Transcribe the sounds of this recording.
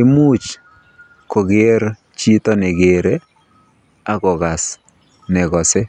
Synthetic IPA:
ɪ˦muː˦t͡ʃ | ko˨ɡe˦ɾ | t͡ʃi˦tɔ˦nɪ˨ɡe˨ɾe˦ | a˦kɔ˨ɣa˨s | nɛ˨ɣɔ˨sɪ˦

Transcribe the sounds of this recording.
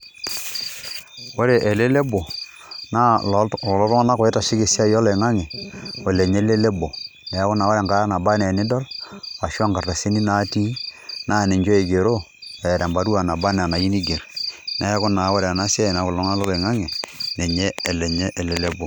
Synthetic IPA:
wo˦ɾe˨ʔe˨le˦le˦bo˨ | na˦ɔ˨lɔ˦tɔ˦ŋa˦na˦kɔ˨e˦ta˨ʃɪ˦ke˨si˦a˦jɔ˦le˨ŋa˦ŋɛ˨o˨le˨ɲe˦le˦le˦bo˨ | nɛ˨jkʊ˦na˨wo˦ɾe˨ŋɡa˦ɾa˦na˨ba˦nɛ˨nɪ˦dɔ˦la˨ʃwa˦ŋɡa˨rta˨se˦ni˦na˦ti˦na˦˨ne˨ɲd͡ʒo˦e˨ɡe˨ɾo˦ | e˨ɾɛ˨mba˨˦ɾu˦a˨na˨ba˦n˨na˨ji˦ni˦ɡe˨ɾnɛ˨˦kʊ˦na˨˦wo˦ɾe˨a˨na˦sa˦˨na˨˦kʊ˨lɔ˦ŋa˦lɔ˦le˨ŋa˦ŋe˨ne˨ɲe˦e˨lɛ˨ɲe˦ʔe˨le˦le˦bo˨

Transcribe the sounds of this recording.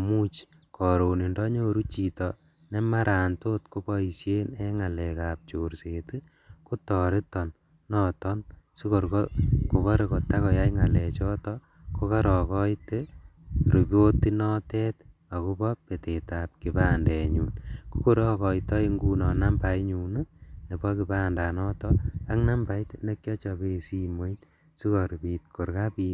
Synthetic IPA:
mu˦t͡ʃ | kʰɔ˨ɾo˨ni˨ndɔ˦ɲo˦ɾu˦t͡ʃi˨tɔ | ne˦ma˦ɾa˨nto˦tko˦pɔ˦i˨sje˦ne˦ŋa˨lɛ˨ka˨p̚t͡ʃo˨ɾseti˦ | ko˦tɔɾɪ˦tɔ˨nː | ɔ˦tɔ˦nsi˦ko˨ɾkoko˨βɔ˦ɾe˨ko˨ta˦kɔ˨ja˦jŋa˨lɛ˨t͡ʃɔ˦tɔ | ko˦ka˦ɾɔ˨kɔ˦jte˦ | ɾu˨bjo˦tːi˦nɔ˦tɛ˦t | a˨ku˦bɔ˦pe˨te˨ta˨p̚ki˨ba˦ndɛ˨ɲṵ˨nko˦ko˦ɾɔ˨kɔ˨itɔ˦i˦ŋɡu˦nɔ˨na˦mba˨˦ɲu˨nu˦ne˨bɔ˦ki˨ba˦nda˨nɔ˦tɔ˦a˦ŋna˦mba˨jtne˦kjɔ˦t͡ʃa˨be˨si˦mo˦i˦t | si˦ko˨ɾpi˨t̚kʰo˨ɾka˦pi˦

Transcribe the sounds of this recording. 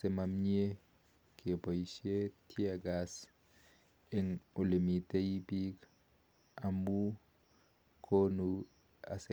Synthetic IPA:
se˨ma˨m˦ɲe˦ | kebo˨i˨ʃe˦tʰi˦a˨ɡas | e˦ŋo˨le˨mi˨tʼe˦ji˦bi˦k | amu˦ | kʰo˦nu | a̰˨se

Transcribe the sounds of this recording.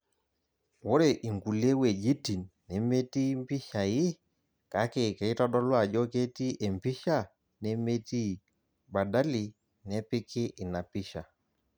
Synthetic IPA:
wo˦ɾe˨ʔi˨ŋɡu˨le˦we˨d͡ʒi˦ti˨nːɛ˨me˦ti˦m˦pɪ˦ʃa˨jɪ˦ | ka˨˦ke˨kɛ˨i˦tɔ˦ɗɔ˦lwa˨d͡ʒɔ˦ke˦ti˦ʔe˨mpi˦ʃa˦˨ | nɛ˦me˦ti˦ | ba˨da˦li˨ | nɛ˦pɪ˦kʰɪ˦ʔɪ˨na˨pɪ˦ʃa˨

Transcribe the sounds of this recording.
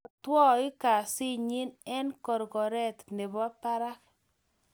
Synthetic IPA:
t̪wɔ˦ɪ˦ka˨sɪ˦ɲi˦nɛ˦nkɔ˨ɾɡɔ˨ɾɛ˦t̪nɪ˨bɔ˦pa˦ɾa˦k

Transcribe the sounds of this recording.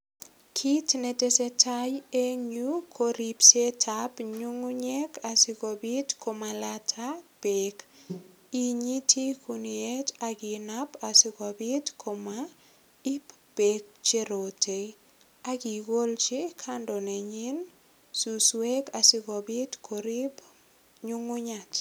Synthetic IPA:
kʰi˦tne˨te˦sɛ˦tʰaje˦ɲukʰoɾi˨pse˦tʰapɲu˦ŋu˦ɲe˦kʰasɪ˦kobi˦tkʰo˨malatʰab̥ek | i˦ɲi˦tʰi˦kunie˦ta˨ɡɪ˨napa˨sɪ˦kɔ˨bɪ˦tkʰo˨ma | i˦p | b̥e˨k̚t͡ʃe˦ɾo˨te˨ | a˦ki˨ɡo˦lt͡ʃɪ˦kʰandɔ˨ne˨ɲi˦n | su˨swe˦ka˨sɪ˦kɔ˨bi˦tkʰoɾi˦p | ɲu˦ŋʊ˦ɲa˨t

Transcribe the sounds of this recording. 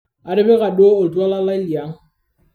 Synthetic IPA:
a˨ɾɪ˦bɛ˦ɣa˨doː˦˨twa˦la˦la˦i˦li˨a˨˦ŋ̩˦

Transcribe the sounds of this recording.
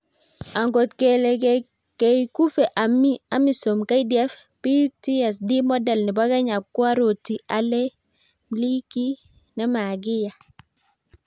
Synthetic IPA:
a˨ŋɡo˨tke˨le˨ɡe˨ | ke˨jku˦fe˨ʔa˨mi˦a˦mi˨so˨mka˦di˨ɛ˦f | pi˦ti˦ɛ˨s̬di˦mɔ˦dɛ˨lni˨ba˦ɡa˦ɲa˨kːu˦a˦ɾo˨ti˨ʔa˨lɛ˦ | mli˦ki˦ | nɛ˦ma˨ɡi˦ja˨

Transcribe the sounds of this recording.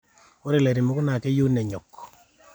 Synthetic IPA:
o˦ɾe˨lɛ˨ɾi˨mu˦kʊ˦na˨kɛ˦jo˦nɛ˨ɲɔ˨k

